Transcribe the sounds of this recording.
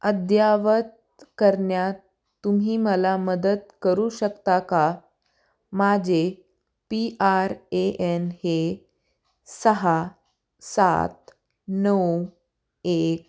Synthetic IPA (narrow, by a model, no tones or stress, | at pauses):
əd̪jaʋət̪̚ | kəɾɳjat̪ː | um̤iːməlaməd̪ət̪kəɾuːɕəkt̪aka | mad͡ʑe | piʔaɾeʔenhe | səɦa | sa̰t̪ | nəw | ek̚